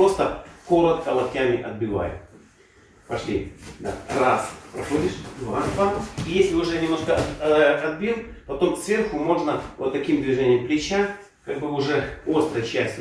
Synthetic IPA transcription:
ɾo̞st̪əko̞ɾət̪̚kəlˠɐpʲtʲːamʲɪʔɐd̪̚bʲɪva̰jʊ̰ | pɐʂlʲid̪a̰raspɾɐxo̞dʲɪʂvaspaijesʲlʲɪʊʐɛnʲɪmno̞ʂkəɐd̪̚bʲinpɐt̪o̞msvʲe̞rxʊmo̞ʐnəvot̪ːɐkʲimd̪vʲɪʐenʲɪjəmplʲɪt͡ɕa | kaɡ̚bɨʊʐɛo̞st̪ɾəjt͡ɕæsʲtʲɪ

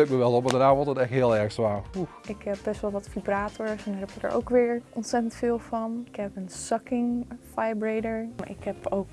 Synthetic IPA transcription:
øk̚məʋɛlˠɔp̚madənaːʋɔtətɛxtɦɪəlˠɛɹxsʋaːruxɪkɦɛp̚bɛstʋɛlˠʋɑtfibraːtʰɔɹsɛndarɦɛpɪkə̰ɹʔo̰wkʋɪːɹʔɔntsɛtəntfɪːlˠfɑnɪkhɛpənsɑkɪŋfajbrejdəɹaʔɪkhɛpowk

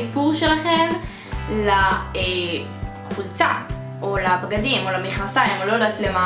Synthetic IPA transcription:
ipuʁʃelaχe̞m | lae | χult͡sa | ʔolapaɡadimolamiχnasaimolodatlema

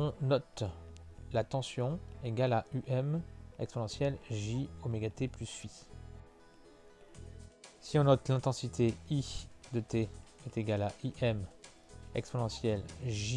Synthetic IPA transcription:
ɔ̃nɔt̪ | lat̪ɑ̃sjɔ̃eɡalaʔyʔɛmɛksponɑ̃sjɛlʒiomeɡat̪eplysɥi | siɔ̃nɔt̪lɛ̃t̪ɑ̃sit̪ʰeid̪ət̪eɛt̪eɡalaʔiʔɛm | ɛksponɑ̃sjɛlʒi

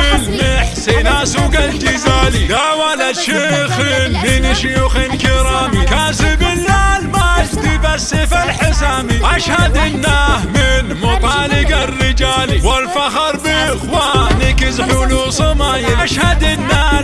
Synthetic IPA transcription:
lmɪħsɪnasuɡald͡ʒɪzaːlid̪awalaʃɪxɪlmɪnʃʊjuːxɪnkɪɾɑːmikaːsɪbɪlːalmad͡ʒt̪ɪbasːɪfalħɪsaːmiʔaʃhad̪ɪnːahmɪnmʊt̪ˤɑːlɪɡarːɪd͡ʒaːliwalfaxɑɾˤbɪxwanɪkɪzħʊlusˤʊmaːjɪaʃhad̪ɪnːaː

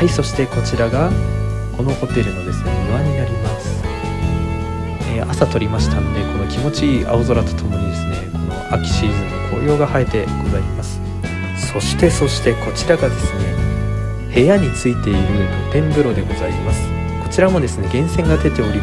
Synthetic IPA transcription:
aiso̞ɕi̥t̪e̞ko̞t͡ɕiɾaɡa | ko̞no̞ho̞t̪e̞ɾɯ̟nod̪e̞sɨneɯβaɲ̟inaɾʲimasɨ̥ | eːʔasat̪o̞ɾʲimaɕi̥t̪ano̞ne̞ko̞no̞kʲimo̞t͡ɕia̰ozo̞ɾat̪o̥t̪ʰo̞mo̞ɲ̟id̪e̞sɨne̞̰ko̞no̞̰akʲi̥ɕiːzɨ̃nːokʰo̞̰ːjo̞ːɡahae̞t̪e̞kɯzaɾʲimasɨ̥ | so̞ɕi̥t̪e̞so̞ɕi̥t̪e̞ko̞t͡ɕiɾaɡad̪e̞sɨne̞ | he̞jaɲ̟it͡sɨit̪e̞iɾɯ̟ | p̪ẽ̞mbɯ̟ɾo̞d̪e̞ɡo̞zaimasɨ̥ | ko̞̥t͡ɕiɾamo̞d̪e̞sɨne̞ɡẽ̞ɰ̃sẽ̞ŋɡad̪e̞t̪e̞o̞ɾʲi

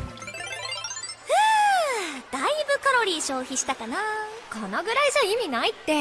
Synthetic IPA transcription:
ɯ | d̪̥aibɯ̟kaɾo̞ɾʲiːɕo̞ːçiɕi̥t̪akanakanaɡɯ̟ɾaiʑaimʲinait̪ːe̞

